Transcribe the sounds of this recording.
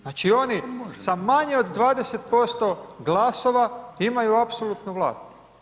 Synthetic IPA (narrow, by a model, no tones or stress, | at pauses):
naːt͡ʃio̞nisamaɲeo̞d̪d̪ʋaːd̪e̞set̪̚po̞st̪o̞ɡlaːso̞ʋaimajuapsolut̪nuʋlˠa̰ːst̪